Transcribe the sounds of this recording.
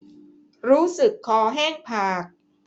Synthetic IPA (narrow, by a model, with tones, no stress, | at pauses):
ɾuː˦˥sɯ˨˩kʰːɔː˨˩ɦɛː˥˩ŋpʰaː˨˩k̚